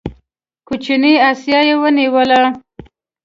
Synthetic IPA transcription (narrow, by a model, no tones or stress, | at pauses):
kut͡ʃiniɑsjɑjewəniwəla